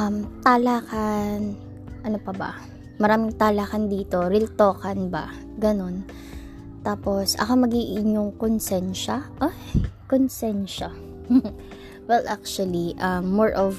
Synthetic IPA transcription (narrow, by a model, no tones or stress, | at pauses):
ʔɐmt̪aːlaːkan | ʔɐnopɐbɐ̰ | mɐɾaːmɪŋt̪aːlaːkɐnd̪iːt̪o̞ɾɪlt̪oːkɐnbɐ̰ | ɡɐno̞n | t̪aːpo̞sʔɐ̰komɐɡiːʔɪɲoŋkonsɛnʃɐʔo | konsɛnʃa | wɛlʔak̚t͡ʃwɐliʔɐmːoɹʔɔv